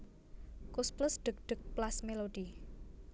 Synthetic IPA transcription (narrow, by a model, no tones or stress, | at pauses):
kusplʊsɖ̪̥ʊ̤k̚ɖ̪̥ək̚plasmelod̪̥i